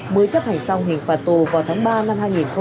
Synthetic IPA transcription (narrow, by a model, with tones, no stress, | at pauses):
mɨ˨əjt͡ɕə˦˥p̚ha˨˩ŋ̟sa˧wŋ͡mɦï˨˩ŋ̟faː˨˩t̚t̪u˨˩vaː˨˩wt̪ʰaː˨˦ŋɓaː˧na˧mhaː˧jŋi˨˩nxə˧